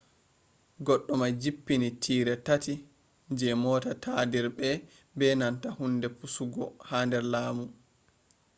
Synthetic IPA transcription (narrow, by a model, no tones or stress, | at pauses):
ɡɔɗːɔmad͡ʒipːinitʰiːɾɛtati | ɲd͡ʒɛmɔːtatʰadiɾbɛ | bɛnantahundɛpusuɡɔhaːndɛɾlaːmu